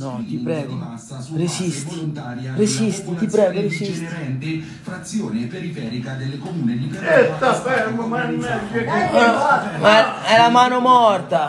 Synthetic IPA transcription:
nɔt̪ipɾɛːɡoa | resist̪inaɾjɾesist̪it̪ip̬ɾɛːɡoɾesisɛnt̪e | fɾat̪sːjoːnepeɾifɛːɾikad̪elːekomuːned̪iest̪afeɾmamanonɛkekːe | maɛlamaːnomɔrt̪a

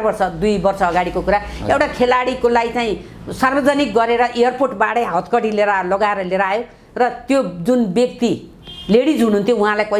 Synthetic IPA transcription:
bʌrsʌd̪ujbʌrsʌːɡaɽikokuɾaewʈakʰelaɽikolajt͡saĩ | sarbʌd͡zanik̚ɡʌɾeɾʌʔejʌrporʈbaɽʌjɦʌt̪kʌɽileɾalʌɡaeɾʌleɾajo | rʌt̪jod͡zunbjʌk̚t̪i | leɽid͡zɦununt̪ʰjoũɦãlajkʌ

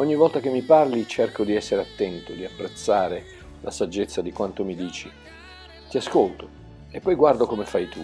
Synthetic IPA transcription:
ɔɲːivɔlt̪ak̟emːiparlit͡ʃerkod̪iɛsːeɾeat̪ːɛnt̪od̪iapːɾet̪sːaːɾe | lʔa̰sad͡ʒːet̪sːad̪ikwant̪omid̪iːt͡ʃi | t̪iaskolt̪o | epːɔjɡward̪okomefajt̪u

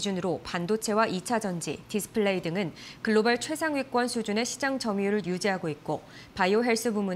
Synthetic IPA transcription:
d͡ʑunɯɾopandot͡ɕʰe̞waʔit͡ɕʰad͡ʑʌnd͡ʑḭtis͈ʰɯ̥pʰɯɭːeidɯŋɯnkɯɭːobaɭt͡ɕʰwe̞sʰaŋɥik͈wʌnsʰud͡ʑune̞ɕʰid͡ʑaŋd͡ʑʌmjuɾɯɭjud͡ʑiɦaɡoit̚k͈o | paioɦe̞ɭs͈ɯbumu

